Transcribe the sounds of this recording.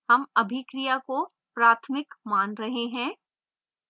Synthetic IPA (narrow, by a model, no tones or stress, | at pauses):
hɐmɐbʱikɾijako | pɾaːt̪ʰmɪkmaːnɾɐɦeɦɛ̃ː